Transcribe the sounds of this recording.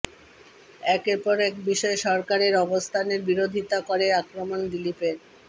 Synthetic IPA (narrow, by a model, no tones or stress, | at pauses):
ɛkeɾpɔɾɛkbiʃɔeʃɔɾkaɾeɾɔbost̪ʰaneɾbiɾod̪ʱit̪akoɾeakɾomond̪ilipeɾ